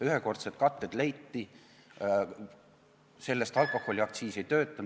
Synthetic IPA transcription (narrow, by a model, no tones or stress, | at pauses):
yɦeko̞rt̪set̪̚kɑt̪ˑːed̪̥lejt̪ːi | se̞lːest̪ɑlkˑo̞hˑo̞lʲiɑk̚t̪siːsejt̪ø̞ːt̪ːˑɑn